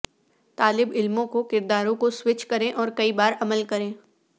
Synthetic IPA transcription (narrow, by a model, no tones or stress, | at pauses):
t̪aːlɪbɪlmõkokɪɾd̪aːɾõkoswɪt͡ʃkɐɾẽʔɔːɾkɐibaːɾɐməlkɐɾẽː